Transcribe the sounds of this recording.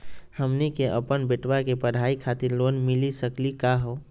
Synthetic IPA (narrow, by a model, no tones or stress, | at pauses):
həmnikeʔəpənbeʈwakepəɽ̤ʱaikʰat̪iɾloːnmilisəklikaɦo